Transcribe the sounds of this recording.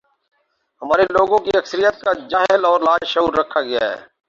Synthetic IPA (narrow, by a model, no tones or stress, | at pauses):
ɦɐmaːɾeloːɡõkiɐksəɾijət̪̚kad͡ʒaːɦɪlɔːɾlaːd͡ʒʃəuːɾɾɐkʰːaɡɪja̰ɦɛ̰ː